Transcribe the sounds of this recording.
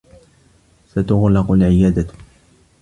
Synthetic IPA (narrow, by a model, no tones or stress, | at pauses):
sat̪ʊɣlɑqʊlʕɪjaːd̪a